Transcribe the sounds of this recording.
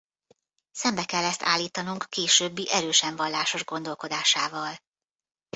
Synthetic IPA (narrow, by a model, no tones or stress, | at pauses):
sɛmbɛkɛlːɛst̪ʰa̰ːlːiːt̪ɒnuŋkːeːʃøːbːiʔɛɾøːʃɛɱvɒlːaːʃo̞ʒɡo̞n̪d̪o̞lko̞d̪aːʃaːvɒl